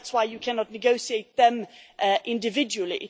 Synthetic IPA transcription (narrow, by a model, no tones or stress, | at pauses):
tswaɪjəkʰanɒʔⁿnɪɡoʊsieɪt̪̚ðə̃mʔəʔɪ̃ndɪvɪd͡ʒəwəlˠḭ